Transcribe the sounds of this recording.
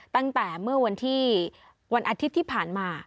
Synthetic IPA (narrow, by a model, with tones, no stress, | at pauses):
t̪a˥˩ŋt̪ɛː˨˩mɯ˥˩ɐwa˧nt̪ʰiː˥˩ | wa˧nʔaː˧t̪ʰi˦˥t̪ʰːiː˥˩pʰaː˨˩nmaː˧